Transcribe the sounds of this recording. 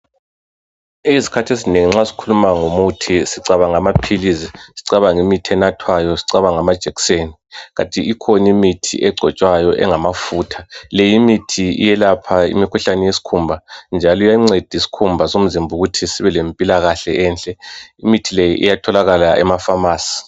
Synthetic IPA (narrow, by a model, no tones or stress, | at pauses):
eizi̥kʰatʰezineŋiŋ͡ǁasi̥kʰulumaŋomutʰisiǀaβaŋamapʰilizisiǀaβaŋimitʰiɛnatʰwajɔsiǀaβaŋamad̥ʒ̥ʱɛki̥seniɣa̰tʼiikʰɔnimitʰḭʔɛɡ͡ǀʱɔt͡ʃʼwajɔʔɛ̰ŋamafuːtʰalɛjimitʰiḭjɛlapʰaḭmikʰuɬanɛjesi̥kʰumbʱand͡ʒʱalujaŋ͡ǀed̥ʱisi̥kʰumbʱasom̩zimbʱuɣutʰisiβɛlempʼilaɣaɬɛʔɛːnt͡ɬʼɛimitʰilɛjḭʔḭjatʰɔlaɣalaɛ̰mafamaːsi̥